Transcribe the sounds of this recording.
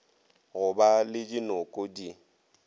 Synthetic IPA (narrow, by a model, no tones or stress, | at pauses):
ɣʊbalɪdinʊkʼodi